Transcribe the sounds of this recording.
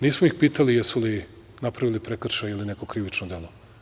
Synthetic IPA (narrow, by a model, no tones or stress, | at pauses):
niːsmoixpiːt̪alijesuli | napɾaʋilipɾekr̩ʃajilinekokɾiʋit͡ʃnod̪elˠo